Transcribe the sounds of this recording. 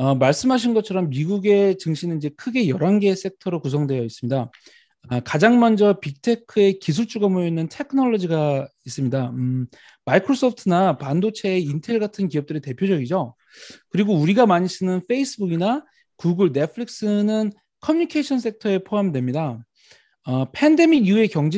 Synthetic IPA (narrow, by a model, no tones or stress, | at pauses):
ʌmaɭs͈ɯmɦaɕ̬ʰinɡʌt͡ɕʰʌɾʌmːiɡuɡe̞t͡ɕɯŋɕʰinɯnid͡ʑe̞kʰɯɡe̞jʌɾanɡe̞s͈e̞tʰʌɾokus̬ʰʌŋdwe̞jʌis͈ɯmɲida | akad͡ʑaŋmʌnd͡ʑʌpik̚tʰe̞kʰɯe̞kis̬ʰuɭt͡ɕ͈uɡamojʌinːɯntʰe̞kʰɯnʌɭːʌd͡ʑiɡais͈ɯmɲida | maikʰɾos͈ʰʌpʰtʰɯnapandot͡ɕʰe̞ːintʰe̞ɭɡatʰɯnkiʌp̚t͈ɯɾite̞pʰjod͡ʑʌɡid͡ʑo | kɯɾiɡouɾiɡamaɲis͈ɯnɯnfʰe̞is͈ɯbuɡina | kuɡuɭne̞pʰɯɾik̚s͈ɯnɯn | kʰʌmjuɲikʰeɕʰʌns̬͈ʰe̞tʰʌe̞pʰoamdwe̞mɲida | ʌpʰende̞miɡjue̞kjʌŋd͡ʑe